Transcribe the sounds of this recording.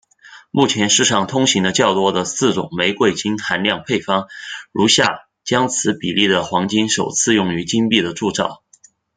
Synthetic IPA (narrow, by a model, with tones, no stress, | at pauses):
mu˥˩t͡ɕʰjɛ˧˥nʂɻ̩˥˧ʂɑ˥˩ŋt̪ʰʊ˥ŋɕi˧˥ŋd̪ə˧t͡ɕjɑ˥˩ʊt̪wɔ˥d̪ə˨sɹ̩˥˩ʈ͡ʂʊ̰˨˩ŋme˧˥ɪkwe˥˩ɪt͡ɕi˥nxa˧˥nljɑ˥˧ŋpʰe˥˩ɪfɑ˥ŋɻu˧˥ɕja˥˩ | t͡ɕjɑ˥ŋt͡sʰɹ̩˧˥pi˨˩li˥˩d̪ə˩xwɑ˧˥ŋt͡ɕi˥nʂo˨˩ʊt͡sʰɹ̩˥˧jʊ˥˩ŋy˧˥t͡ɕi˥ŋpi˥˩d̪ə˩ʈ͡ʂu˥˧ʈ͡ʂɑ˥˩ʊ